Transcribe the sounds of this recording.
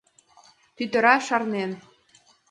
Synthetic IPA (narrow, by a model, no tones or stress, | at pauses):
t̪yt̪ə̆ɾɑʃɑrnen